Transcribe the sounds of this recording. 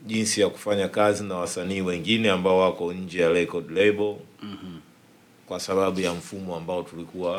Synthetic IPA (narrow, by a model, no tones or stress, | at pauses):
ʄinsijaku̥faɲakazinawasaniːwɛŋɡinɛambaɔwakɔɲ̩d͡ʒɛjalɛkɔdlɛɓɔ | kwasaɓaɓujam̩fumɔambaɔtulikuwa